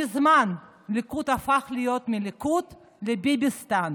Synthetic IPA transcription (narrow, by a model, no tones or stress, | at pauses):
ɪzman | likut̪afaχlijot̪milikut̪ | lebibist̪an